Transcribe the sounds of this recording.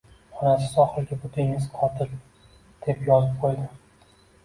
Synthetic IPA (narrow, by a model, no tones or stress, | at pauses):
ɒnasɪ̥sɒχɨlˠɡʲabʊt̪ʰɪŋɪzqʰɒt̪ʰɪl | d̪̥e̞pjɒzɪp̚qʰojd̪ɪ